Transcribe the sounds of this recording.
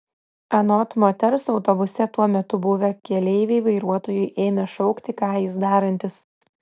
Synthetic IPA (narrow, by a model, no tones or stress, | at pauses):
ɐnɔt̪mɔt̪ʲɛɾsɒʊt̪ɔbʊsʲɛt̪uɔmʲɛt̪ʊbʊʋʲɛkʲɛlʲɛɪʋʲeɪʋɐɪɾuɔt̪oːjʊɪʔeːmʲɛʃɔʊkt̪ʲɪkɑːjɪsd̪ɑːɾɐnʲt̪ʲɪs